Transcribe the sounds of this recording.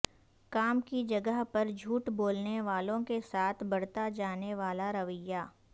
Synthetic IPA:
kaːmkid͡ʒɐɡəɦpɐɾd͡ʒʱuːʈboːlneʋaːlõkesaːt̪ʰbɐɽt̪ad͡ʒaːneʋaːlaɾɐʋəjaː

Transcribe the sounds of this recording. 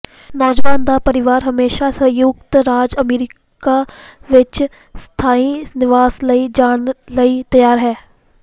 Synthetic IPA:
nɔːd͡ʒʋaːnd̪aːpəɾɪʋaːɾɦəmeːʃasə̃juɡ̚t̪ɾaːd͡ʒəmeːɾɪ | kaʋɪt͡ʃ | st̪ʰaːinɪʋaːsləid͡ʒaːɽləit̪əjaːɾɦɛː

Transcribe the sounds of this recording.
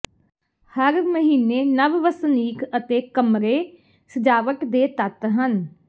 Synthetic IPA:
həɾməɦiːneːnəʋʋəsniːkʰət̪eːkəmɾeː | səd͡ʒaːʋəkd̪eːt̪ət̪ɦən

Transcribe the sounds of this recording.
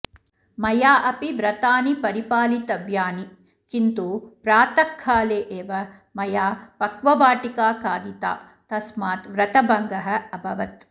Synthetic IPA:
mɐjaːʔɐpiʋɾɐt̪aːnipɐɾipaːlit̪ɐʋjaːni | kint̪upɾaːt̪ɐkʰːaːleːʔeːʋɐ | mɐjaːpɐkʋɐʋaːʈikaːkaːd̪it̪a̰ː | t̪ɐsmaːt̪ʋɾɐt̪ɐbɐŋɡɐɦɐ̆ɐbʱɐʋɐt̪

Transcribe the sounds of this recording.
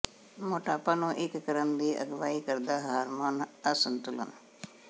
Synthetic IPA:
moːʈaːpanõʔɪkːəɾənd̪iːʔɐ̰ɡʋaːikəɾd̪aːɦaːɾmoːnəsənt̪ʊlə̰n

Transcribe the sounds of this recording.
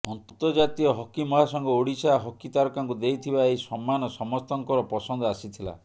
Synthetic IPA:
ɔnt̪ɔt̪ɔɾd͡ʒat̪iɔɦɔkimɔɦasɔŋɡɔoɽisaɦɔkit̪aɾɔkaŋkud̪ejt̪ʰibaejsɔmːanɔsɔmɔst̪ɔŋkɔɾɔpɾɔsɔnd̪ɔasit̪ʰila̰

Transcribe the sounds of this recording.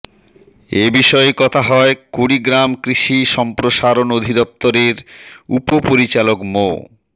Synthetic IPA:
ebiʃɔekɔt̪ʰaɦɔekuɽiɡɾamkɾiʃiʃɔmpɾoʃaɾonod̪ʱid̪ɔp̚t̪oɾeɾupopoɾit͡ɕalokmo̰

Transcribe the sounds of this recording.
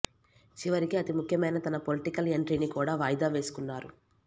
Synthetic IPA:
t͡ʃiʋɐɾikiɐt̪imukʰjɐmɐjnɐt̪ɐnɐpo̞liʈikɐle̞ɳʈɾinikuːɽaːʋaːjd̪aːʋe̞ːsu̥kunːaːɾu

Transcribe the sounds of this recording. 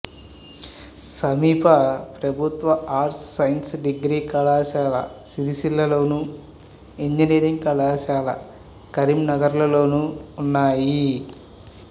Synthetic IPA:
sɐmiːpʰɐpɾɐbʱut̪ʋɐaːɾsːɐjnsɖiɡɾiːkɐlaːʃaːlɐ̰siɾisilːɐlo̞ːnu | eɲd͡ʒiniːɾiŋɡkɐlaːʃaːlɐ̰ | kɐɾimnɐɡɐɾulɐlo̞ːnuːnːaːji

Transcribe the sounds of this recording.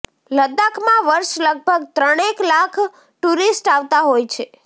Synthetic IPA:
ləd̪akʰmãʋəɾʃləɡ̚bʱəɡt̪ɾəɽ̃eklakʰ | ʈuɾisʈaʋt̪aɦojt͡ʃʰe

